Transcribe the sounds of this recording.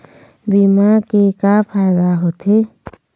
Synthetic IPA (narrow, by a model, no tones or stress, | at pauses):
bimakekapʰajd̪aɦot̪ʰe